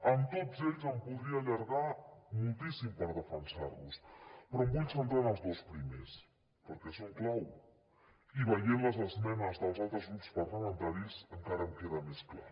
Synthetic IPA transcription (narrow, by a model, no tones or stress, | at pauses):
ənt̪ozeʎzəmpuðɾiəːʎəɾɣamulˠt̪isimpəɾðəfənsa̰ɾβuspɾɔmbuʎsənt̪ɾanəlˠzðospɾimes | pəɾkɛsoŋklaw | iβ̞əjenləzəzmɛnəzðəlˠzalˠt̪ɾəzɣɾupspəɾləmənt̪aɾizəŋkaɾəmkeðəmeskla̰